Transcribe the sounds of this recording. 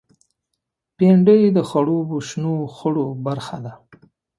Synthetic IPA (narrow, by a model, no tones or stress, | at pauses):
peɳɖəjd̪əxaɽobuʃnoxəɽobaɾxad̪a